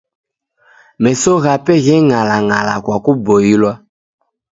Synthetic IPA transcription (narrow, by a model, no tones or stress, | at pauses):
mɛsoɣapɛɣɛŋalaŋalakwakubojilwa